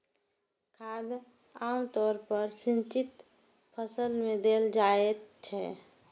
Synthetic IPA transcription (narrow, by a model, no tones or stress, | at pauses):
kʰad̪ | amt̪ɔɾpəɾsint͡ʃit̪ | pʰəsəlmed̪eld͡ʒaet̪̚t͡ʃʰɛ